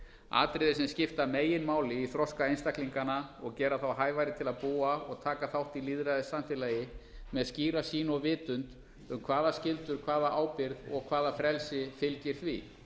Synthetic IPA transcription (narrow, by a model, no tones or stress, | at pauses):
a̰ːt̪ɾɪðɪsɛmscɪft̪ameːjɪnmaːwlɪiθɾɔskaejnst̪akliŋkanaɔɣcɛːɾaθawɦaːjvajɾɪt̪ʰɪlaðpuːaɔɣt̪ʰaːkaθawht̪iliðɾajðɪsamfɪlajɪmɛðasciːɾasiːnɔɣvɪːt̪ʏnt̪ | ʏmkʰvaːðascɪlt̪ʏɾ̥kʰvaːðaʔaːwpɪɾðɔɣkʰv̥aːðafɾɛlsɪfɪlcɪɾ̥θvi